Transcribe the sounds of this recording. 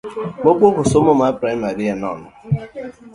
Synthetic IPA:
mokʷokʊsomomapɾaimaɾianɔ̰nʊ

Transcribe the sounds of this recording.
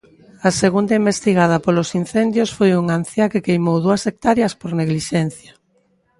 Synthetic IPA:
ɐseɣund̪ɐimbest̪iɣað̞ɐpolosin̟θend̪josfojuŋan̟θjakekejmowðuɐsek̚t̪aɾjɐspoɾneɣliʃɛn̟θjɐ

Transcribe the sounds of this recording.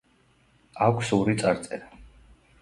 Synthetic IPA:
akʷʰsuɾit̪sʼaɾt̪sʼɛɾa

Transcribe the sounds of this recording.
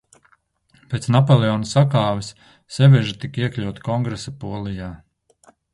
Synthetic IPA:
peːt̪snapolˠeɔːnusakaːvis | sɛvɛʒit̪ikiɛklʲawt̪kɔŋɡɾesapuɔlˠijaː

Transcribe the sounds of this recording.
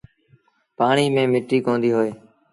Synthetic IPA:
paːɳiːmẽːmɪʈːiːkõːnd̪iːɦoːeː

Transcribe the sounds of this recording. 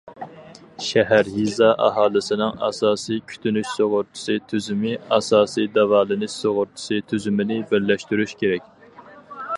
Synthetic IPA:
ʃɛɦæɾjizɑʔɑ̰ɦɑːlˠɨsɪnɪŋɑ̰sɑːsijkʲʰy̥t̪ʰynyʃsoʁʊɾt̪ʰɨ̥sɨt̪ʰyzymɪɑsɑːsijd̪ɑvɑːlˠɨnɨsoʁʊɾt̪ʰɪ̥sɨt̪ʰyzymɪnɪbɪɾlːɛʃt̪yɾyʃkʲʰeɾɛk̚ʲ

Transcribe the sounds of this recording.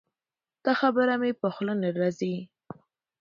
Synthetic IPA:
t̪axabəɾamepəxlənaɾazi

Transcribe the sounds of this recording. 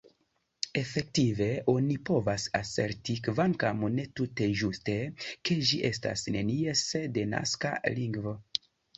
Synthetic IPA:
e̞fe̞k̚tive̞o̞nipo̞vasase̞ɾtikvaŋkamune̞tute̞ʒuste̞ke̞ʒiʔe̞sta̰sne̞niesede̞na̰skaliŋɡvo̞

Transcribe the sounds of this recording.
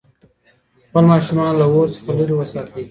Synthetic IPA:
xpəlmɑːʃʊmɑːnlawoːɾsə̥χaluɾiwəsɑːt̪i

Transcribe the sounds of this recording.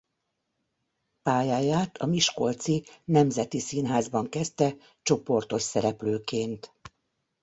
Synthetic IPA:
paːjaːjaːt̪ʰɒmiʃko̞lt̪sinɛmzɛt̪isinɦaːzbɒŋkɛst̪ɛ | t͡ʃo̞po̞rt̪o̞ʃsɛɾɛpløːkeːnt̪

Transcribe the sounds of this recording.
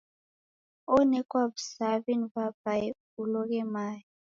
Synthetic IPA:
ɔnɛkʼwabsavinvabaɛ | ulɔkɛmaːji

